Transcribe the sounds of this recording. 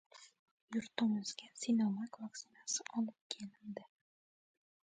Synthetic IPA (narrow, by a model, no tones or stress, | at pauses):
jʊɾt̪ʊmɨzɡʲasinomakvak̚tsɪnasɪʔɒlˠɨp̚kʲʰelɪnd̪ɪ